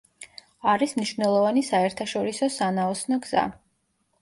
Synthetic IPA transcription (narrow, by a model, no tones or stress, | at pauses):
aɾismniʃvnɛlˠɔvanisaɛɾt̪ʰaʃɔɾisɔsanaɔsnɔɡz̥a̰